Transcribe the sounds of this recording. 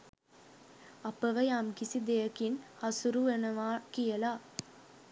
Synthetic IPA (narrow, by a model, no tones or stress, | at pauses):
ɐpəʋəjamkisid̪ejəkinhɐsuɾuʋenɐʋaːkijəla